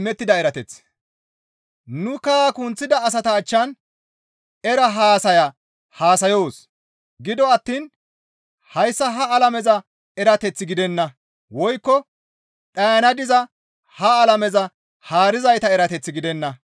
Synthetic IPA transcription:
mɛt̪ːɪd̪ɐɛɾɐt̪ɛt͡s | nʊkaːkʊnt͡sːɪd̪ɐːs̬ɐt̪ɐːt͡ʃːɐn | ɛɾɐɦaːsɐjɐ | haːsɐjoːs | ɡɪd̪ɔɐt̪ːiːn | hɐjsːɐɦɐːlɐmɛzɐ | ɛɾɐt̪ɛt͡sːɪɡɪd̪ɛnːɐ | wɔjkːɔ | ᶑɐjɐnɐd̪ɪzɐ | hɐːlɐmɛzɐ | haːɾɪzɐjt̪ɐɛɾɐt̪ɛt͡sːɪɡɪd̪ɛnːɐ

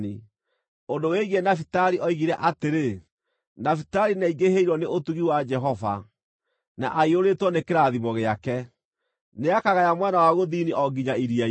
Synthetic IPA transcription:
i | ondoweɣenafitaɾiʔɔiɣiɾɛʔateɾe | nafitaɾinaiɡeheiɾɔneʔotuɣiwad͡ʒɛɦɔva̰ | naʔaioɾetwɔnekeɾaðimɔɣeakɛ | neakaɣajamwanawaɣoðiniʔɔɡiɲaiɾia

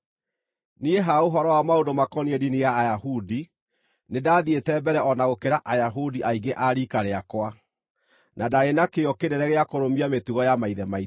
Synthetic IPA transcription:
nieɦaoɦɔɾɔwamaondomakɔniɛdinijaːjahudi | nedaːðietɛbɛɾɛʔɔnaɣokeɾaʔajaɦudiʔaiŋɡeʔaɾikaɾeakwa | nadaɣenakeɔkeɾɛɾɛɣeakoɾomiametuɣɔjamaiðɛmai

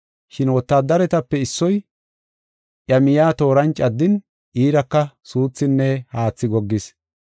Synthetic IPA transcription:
ʃɪnwɔt̪ːaːd̪ɐɾɛt̪ɐpːɛɪsːɔj | ʔjɐmɪjaːt̪o̞ːɾɐnt͡ʃʼɐd̪ːɪn | ʔiːɾɐkːɐsuːt͡sːɪnːɛhaːt͡sːɪɡɔɡːɪs

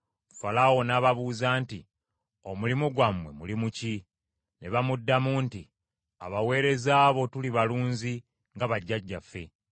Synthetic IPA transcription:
falawo̞naːβaβuːzaːnti | o̞mulimuɡwamwe̞̰mulimuci | ne̞βamudːamuːnti | a̰βawe̞ːɾe̞zaːβo̞tuliβaluːnzi | ŋɡaβaɟːaɟːafːe̞̰

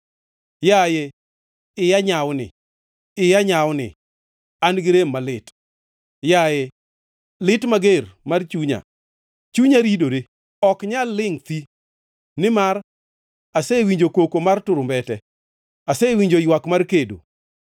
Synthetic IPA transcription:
jaje | ɪjaɲawnɪ̰ | ɪjaɲawnɪ̰ | anɡɪɾemːalɪt | jajɛ | lɪtmaɡermart͡ʃuɲa̰ | t͡ʃuɲaɾidoɾe | ɔkɲalːɪŋt̪i | nɪmaɾ | asewiɲd͡ʒokokomartʊɾʊmbɛtɛ | asewiɲd͡ʒojwakmarkedo̰

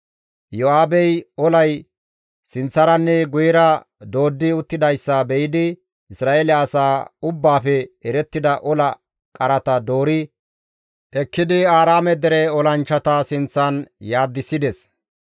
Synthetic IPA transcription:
jɔaːbɛjɔlɐj | sɪnt͡sːɐɾɐnːɛɡʊjɪɾɐ | d̪o̞ːd̪ːɪʊt̪ːɪd̪ɐjsːɐbɛjɪd̪ɪ | ɪsɾaːʔeːlɪɐsaːʊbːaːfɛɛɾɛt̪ːɪd̪ɐʔɔlɐ | kʼɐɾɐt̪ɐd̪o̞ːɾɪ | ʔɛkːɪd̪ɪaːɾaːmɛd̪ɛɾɛɔlɐnt͡ʃːɐt̪ɐsɪnt͡sːɐnjaːd̪ːɪsːɪd̪ɛs

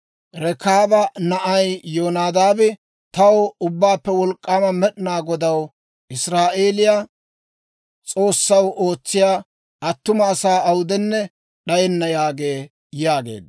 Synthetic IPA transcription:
ɾɛkaːbɐnɐʔɐjjoːnaːd̪aːbɪ | t̪ɐwʊbːaːpːɛwɔlkʼːaːmɐmɛɗɪnaːɡɔd̪ɐw | ɪsɾaːʔe̞ːlɪja | t͡sʼo̞ːsːɐwʔo̞ːt͡sːɪjaː | ɐt̪ːʊmɐːsaːɐwʊd̪ɛnːɛ | ɗɐjɛnːɐjaːɡe̞ː | jaːɡḛːd̪

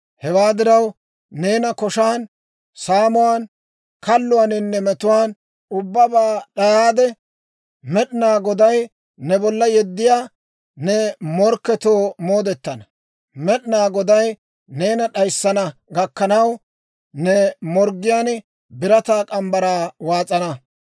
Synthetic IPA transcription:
hɛwaːd̪ɪɾɐw | ne̞ːnɐkɔʃaːn | saːmʊwaːn | kɐlːʊwanɪnːɛmɛt̪ʊwaːn | ʊbːɐbaːɗɐjaːd̪ɛ | mɛɗnaːɡɔd̪ɐj | nɛbɔlːɐjɛd̪ːɪjaː | nɛmɔɾkːɛt̪oːmo̞ːd̪ɛt̪ːɐnɐ | mɛɗnaːɡɔd̪ɐj | ne̞ːnɐɗɐjsːɐnɐɡɐkːɐnɐw | nɛmɔɾɡːɪjaːn | bɪɾɐt̪aːkʼɐmbɐɾaːwaːt͡sʼɐnɐ

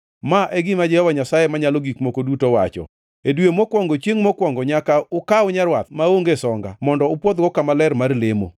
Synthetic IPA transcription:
maʔɛɡɪmad͡ʒɛhɔwaɲasajemaɲaloɡikmokodutowat͡ʃɔ̰ | edwemɔkwɔŋɡot͡ʃjeŋmɔkwɔŋɡɔɲakaʊkaʊɲaɾwat̪̚maoŋɡesɔŋɡa̰mɔndɔʊpwɔt̪̚ɡɔkamalɛrmarlemo̰

